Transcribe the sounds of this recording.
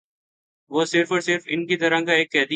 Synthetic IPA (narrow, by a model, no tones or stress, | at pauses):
ʋoːsɪɾfɔːɾsɪɾfɪnkit̪ɐɾãkaeːkːɛːd̪i